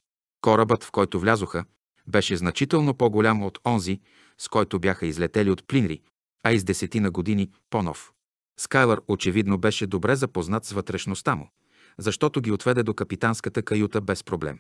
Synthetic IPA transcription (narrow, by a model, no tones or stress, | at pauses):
kɔɾəbət̪fkɔjt̪ʊvlʲazoxə | bɛʃɛznɐt͡ʃit̪ɛlˠnopoɡolʲamot̪ʰɔnzi | skɔjt̪ʊbjaxəizlɛt̪ɛliot̪plinɾi | ɐizd̪ɛsɛt̪inəɡod̪ini | ponɔ̰f | skajlˠəɾot͡ʃɛvid̪nobɛʃɛd̪obɾɛzɐpoznat̪svət̪ɾɛʃnost̪amʊ̰ | zɐʃt̪ɔt̪oɡʲiot̪vɛd̪ɛd̪okɐpit̪anskət̪əkɐjut̪əbɛspɾoblɛ̰m